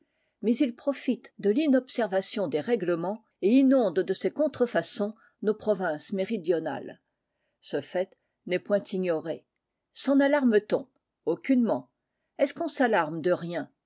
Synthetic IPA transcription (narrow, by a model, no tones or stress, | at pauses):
mɛzilpχɔfit̪d̪əlinɔpsɛʁvasjɔ̃d̪eʁɛɡləmɑ̃ | einɔ̃d̪d̪əsekɔ̃t̪χəfasɔ̃ | nopχɔvɛ̃smeʁid̪jɔna̰l | səfɛt̪ | nɛpwɛ̃t̪iɲɔʁe | sɑ̃nalaʁmət̪ɔ̃ | okʲynmɑ̃ | ɛskɔ̃salaʁmd̪əʁjɛ̃